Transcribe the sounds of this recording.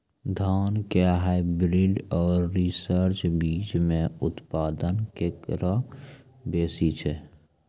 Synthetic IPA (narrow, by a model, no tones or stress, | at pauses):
d̪ʱaːnkeɦaɪbɾɪɖɔːɾːisəɾt͡ʃbiːd͡ʒmẽʊt̪paːd̪ənkekɾə | beːsit͡ʃʰɛ